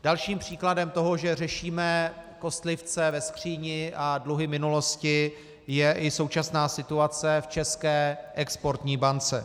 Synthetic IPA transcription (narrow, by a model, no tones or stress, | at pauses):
d̥alʃiːmpr̝̥iːkladɛmt̪o̞ɦo̞ʒɛr̝ɛʃiːmɛko̞st̪lɪft͡sɛvɛskr̝̥iːɲɪʔadluɦɪmɪnulo̞scɪ | jɛʔɪso̞wt͡ʃasnaːsɪt̪uat͡sɛft͡ʃɛskɛːʔɛkspo̞ɾt̪ɲiːbant͡sɛ